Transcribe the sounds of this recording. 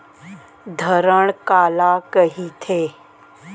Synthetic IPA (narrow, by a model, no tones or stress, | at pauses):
d̪ʱəɾəɽ̃kaːlakəɦit̪ʰeː